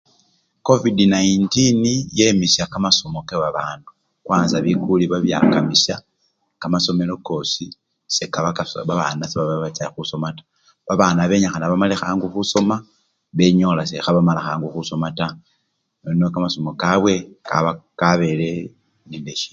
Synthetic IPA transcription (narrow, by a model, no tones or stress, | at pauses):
ko̞vidinaintinije̞misjakamaso̞mo̞keβaβaːndu | kwaːnzaβikuliβaβja̰kamisja | kamaso̞me̞lo̞ko̞ːsi | sekaβakaβaβanaseβaβaβat͡saxuso̞matḁ | βaβaːnaβe̞ɲaxanaβamalexaːŋɡuxuso̞ma | βe̞ɲo̞lasexaβamalaxaːŋɡuxuso̞mata | nonokamaso̞mo̞kaβwe̞ka̰βakaβe̞le̞ | nindeʃi̥